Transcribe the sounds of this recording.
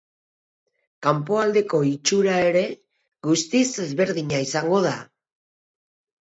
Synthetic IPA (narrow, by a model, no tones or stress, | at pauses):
kampo̞ald̪e̞ko̞it͡ʃuɾae̞ɾe̞ | ɣust̪ise̞zβe̞ɾðiɲaisaŋɡo̞ð̞a